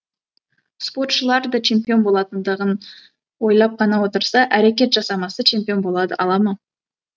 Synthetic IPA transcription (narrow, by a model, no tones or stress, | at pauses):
spo̞rt̪ʃəlˠɑɾd̪ət͡ʃʰe̞mpʲijo̞nbo̞lˠɑt̪ənd̪əʁən | wo̞jlˠɑp̚qʰɑnɑwo̞t̪əɾsɑʔæɾe̞k̬ʲe̞t̪ʒɑsɑmɑsət͡ʃʰe̞mpʲijo̞nbo̞lˠɑd̪əʔɑlˠɑmə